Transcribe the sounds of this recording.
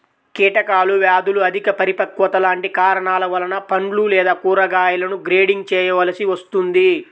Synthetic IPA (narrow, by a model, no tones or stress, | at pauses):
kiːʈɐkaːluʋjaːd̪uluɐd̪ʱikɐpɐɾipɐkːʋɐt̪ɐlaːɳʈikaːɾɐɳaːlɐʋɐlɐnɐpɐɳlulɛːd̪aːkuːɾɐɡaːjɐlɐnuɡɾeːɖiŋɡ̚t͡ʃɛːjɐʋɐlɐsiʋɐst̪und̪i